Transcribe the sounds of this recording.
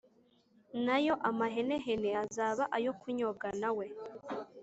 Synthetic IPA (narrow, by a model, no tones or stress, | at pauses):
najo̞ʔamaɦene̞ɦeneazaːβaʔajo̞kʰuɲoɡanawe̞